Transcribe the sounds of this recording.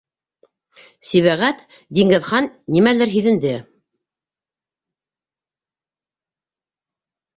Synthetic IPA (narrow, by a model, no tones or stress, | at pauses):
siβæʁæt̪ | d̪iŋɡɘ̆ðχɑnːimælɘɾɦiðɘ̆nd̪ɘ